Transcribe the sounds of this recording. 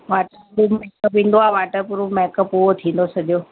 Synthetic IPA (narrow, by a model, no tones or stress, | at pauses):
ʋaːʈəɾumɛːkəpʋĩːnd̪oaːʋaːʈəɾpuɾumɛkəpoot̪ʰĩːn̆d̪osɐʄjoː